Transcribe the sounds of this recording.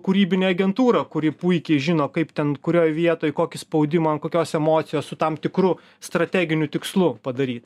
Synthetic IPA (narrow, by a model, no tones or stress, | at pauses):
kʊɾʲiːbʲɪnʲeːɐɡʲɛnt̪uːɾɐkʊɾʲɪpuɪkʲɛɪʒʲɪnoːkɐɪpt̪ʲɛnkʊɾʲoːjʋʲiɛt̪oːjkoːkʲɪspɐʊd̪ʲɪmɐɐnkoːkʲoːsɛmoːt̪sʲɪjoːssʊt̪ɐmt̪ʲɪkɾʊ | st̪ɾɐt̪ʲæːɡʲɪnʲʊt̪ʲɪkslˠʊpɐd̪ɐɾʲiːt̪